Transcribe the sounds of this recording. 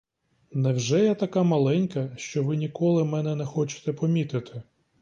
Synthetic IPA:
nɛwʒɛjɛt̪ɐkamɐlˠɛnʲkɐʃt͡ʃɔʋɪnʲikɔlˠɪmɛnɛnɛxɔt͡ʃɪ̥t̪ɛpɔmʲit̪ɪt̪ʰɪ

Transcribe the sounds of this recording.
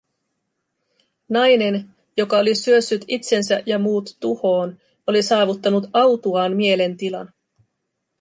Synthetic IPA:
nɑjne̞n | jo̞kɑo̞lisyø̞sːyt̪it̪se̞nsæjɑmuːt̪ːuho̞ːn | o̞lisɑːʋut̪ːɑnut̪ɑwt̪uɑːnmie̞le̞nt̪ilɑ̰n

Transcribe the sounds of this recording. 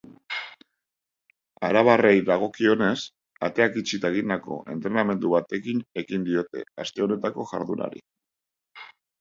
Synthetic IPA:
a̰ɾaβ̞are̞jðaɣ̞o̞kio̞ne̞s | a̰t̪e̞akit͡ʃit̪aeɣind̪ako̞̰ʔe̞nt̪ɾe̞name̞nd̪uβat̪e̞kine̞kind̪io̞t̪e̞̰ast̪e̞o̞ne̞t̪ako̞ʝa̰ɾðuna̰ɾḭ

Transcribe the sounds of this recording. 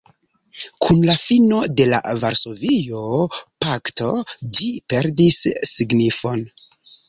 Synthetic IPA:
kʰunlafino̞de̞la̰vaɾso̞vijo̞pakto̞d͡ʒipe̞ɾdisːiɡnifo̞n

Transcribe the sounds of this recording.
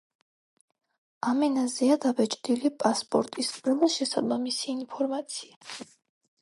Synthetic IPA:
amɛnaziad̪avɛt͡ʃʼd̪ilipʼaspʼɔ̰ɾt̪ʼispʼɾɛlˠaʃɛsad̪mamisiːnpʰɔɾmat̪sʰia

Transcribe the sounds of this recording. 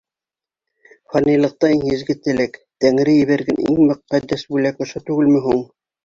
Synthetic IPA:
fɑnijlˠɤ̆q̚t̪ɑiŋjɘ̆zɡɘt̪ɘ̆lækt̪æŋɾɘjɘ̆βæɾɡænʔḭŋmŏqːæd̪ːæsbulækŏʃɤt̪ʉɡɘlmɘ̆ɦuɴ

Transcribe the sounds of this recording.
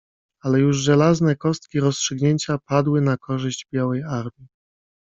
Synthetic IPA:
alɛjuʐʐɛlaznɛkɔst̪kʲiɾɔstʂɘɡɲeɲt͡ɕapad̪wɘnakɔʐɘʑd͡ʑbʲjawɛjaɾmʲi

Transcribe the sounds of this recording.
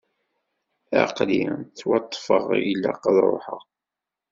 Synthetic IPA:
æ̰qlit͡sːwɑt̪ˤːfəʁilːa̰qðˤɾo̰ħə̰ʁ

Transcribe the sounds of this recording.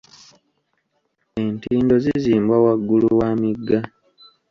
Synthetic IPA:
e̞ntiːndo̞ziziːmbwawaɡːuluwaːmiɡːa

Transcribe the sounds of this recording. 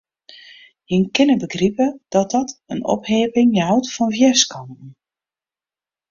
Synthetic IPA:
jɪnkɪnəbəɡripəd̥ɔt̚dɔtənɔ̰pheːpɪŋjɦawtfɔnfjɛskɔntn̩

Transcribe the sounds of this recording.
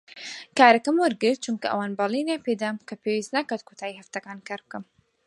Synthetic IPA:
kaːɾɐkɐmwʊɾɡɨɾt̪̚t͡ʃumkɐʔɐ̰waːnbɑlˠinaped̪amkʰɐpeːwist̪nakaːt̪̚kʰot̪ʰaːihɐft̪ɐkaːnkʰaːɾb̚kɐm

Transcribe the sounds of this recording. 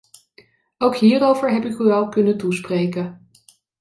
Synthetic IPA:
owkɦiːrowvəɹɦɛpɪkyɑlˠkɵnətusprejkə

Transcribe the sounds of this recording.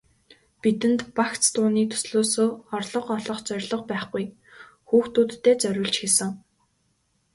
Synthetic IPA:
pit̪ɘ̆nt̪pakt͡st̪ʊːniːkt̪ʰɵ̥sɮoːsoːɔrɮɞ̆qɔɮɞ̆χt͡sœrʲɮɞ̆q̚pæːχɡuj | xuːxt̪uːt̪ʰːeːt͡sœɾʲʊ̆ɮt͡ɕxesɘ̆ŋ

